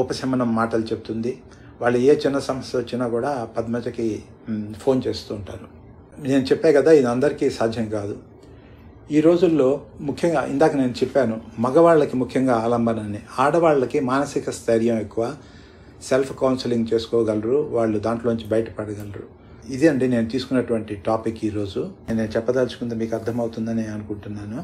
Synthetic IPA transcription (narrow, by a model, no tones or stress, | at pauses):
upɐsɐmɐnɐmːaːʈɐlut͡ʃebut̪und̪i | ʋaːɭːueːt͡ʃinːɐsɐmɐsjɐʋɐt͡ʃːinaːkuːɽaːpɐd̪mɐt͡ʃɐki | pʰo̞ːnt͡ʃe̞ːst̪uːɳʈaːɾu | ne̞ːnut͡ʃɛpːaːkɐd̪aːid̪ɐnd̪ɐɾikiːsaːd̪ʱjɐŋkaːd̪u | iːɾo̞ːd͡ʒulːo̞ːmukʰjɐŋɡa̰ːʔḭnd̪aːkɐne̞ːnut͡ʃɛpːaːnumɐɡɐʋaːɭːɐkimukʰjɐŋɡaːaːlɐmbɐnɐniaːɽɐʋaːɭːɐkimaːnɐsikɐst̪ʰɐɾijɐmekːuʋaː | selpʰkɐwnsiliŋɡt͡ʃe̞ːsu̥kɔːɡɐlɾuʋaːɭːud̪aːɳʈlo̞ːuɲt͡ʃibɐjɐʈɐ̥pɐɽɐɡɐlɐɾu | id̪iɐɳɖine̞ːnut̪iːsu̥kunːɐʈuʋɐɳʈiʈaːpikːiːɾo̞ːd͡ʒune̞ːnut͡ʃɛpːɐd̪ɐlt͡ʃu̥kund̪emiːkɐɾd̪ʰʱɐmɐwt̪und̪ɐniɐnukuɳʈunːaːnu